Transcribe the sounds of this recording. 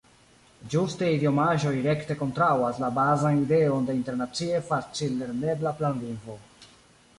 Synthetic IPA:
d͡ʒusteidio̞maʒo̞jɾe̞kte̞ko̞ntɾawaslabazanide̞o̞nde̞inte̞ɾnat͡sie̞fat͡silːe̞ɾne̞blaplanvinvo̞

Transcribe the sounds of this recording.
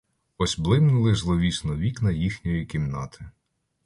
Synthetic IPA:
ɔsʲblˠɪmnʊlˠɪzlˠɔʋʲisnɔʋʲiknɐjixnʲɔjikʲimnɑt̪ʰɪ

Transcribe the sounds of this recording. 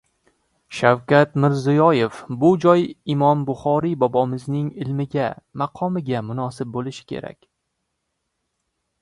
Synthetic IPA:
ʃawkʲat̪mɪɾzɪjɒje̞fbʊd͡ʒɒjɪmɒmbʊχɒɾibɒbɒmɪznɪŋɪlmɪɡʲamɑqʰɒmɪɡʲamʊnɒsɪp̚bolɪʃɪ̥kʲʰe̞̰ɾa̰kʲ

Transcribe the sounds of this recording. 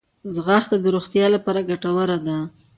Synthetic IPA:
zɣaxt̪ad̪əɾoxt̪jɑlapɑɾaɡaʈawəɾad̪a

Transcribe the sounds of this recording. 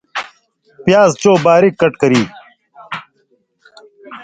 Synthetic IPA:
pjaːzt͡ɕoːbaːɾikːɐʈkɐɾiː

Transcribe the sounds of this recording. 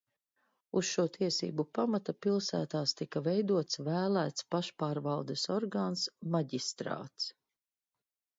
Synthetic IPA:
usʃuːɔt̪ʰiɛsḭːbupamat̪apilˠsæ̰ːt̪aːst̪ikɐvɛjd̪uɔt̪svæːlæːt̪spaʃpaːɾvalˠd̪esɔɾɡaːnsmaɟist̪ɾa̰ːt̪s

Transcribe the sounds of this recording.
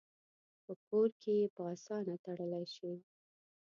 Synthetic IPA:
pəpoɾkʰejepəɑsɑnat̪aɽəlajʃi

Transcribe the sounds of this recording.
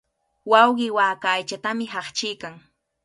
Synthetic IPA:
wɑwɢɪwaːkajt͡ʃat̪amɪɦɑχt͡ʃɪjkaŋ

